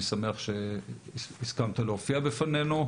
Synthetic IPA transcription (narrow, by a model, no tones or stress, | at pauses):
sameaχʃe | iskamt̪aleofiabefane̞nu